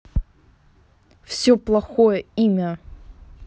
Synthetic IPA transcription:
fsʲɵplˠɐxojəimʲə

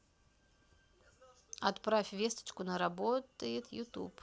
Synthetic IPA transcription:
ɐt̪pɾafʲvʲest̪ə̥t͡ɕkʊnəɾabot̪əjɪt̪jut̪ṵp

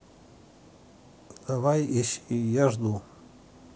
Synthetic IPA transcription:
d̪avajiʃijaʐd̪u

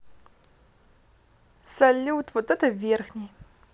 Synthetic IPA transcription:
sɐlʲːuwt̪ʰvɔt̪ɛt̪ʰɐvʲerxnʲej

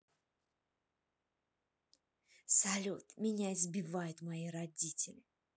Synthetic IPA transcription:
salʲot̪mʲɪnʲaɪzbʲɪvajʊt̪maiɾadʲitʲɪlʲɪ

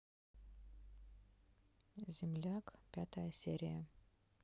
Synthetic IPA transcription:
zʲimlʲakʼpʲat̪ʰajsʲḛɾʲija

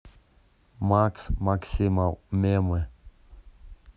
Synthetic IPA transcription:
maksmaksimalmeme

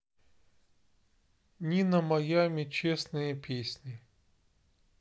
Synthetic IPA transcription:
nʲinɐmɐjamʲɪt͡ɕesnɨjəpʲesʲnʲi

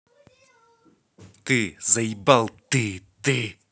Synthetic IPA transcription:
t̪ezajbalt̪et̪e

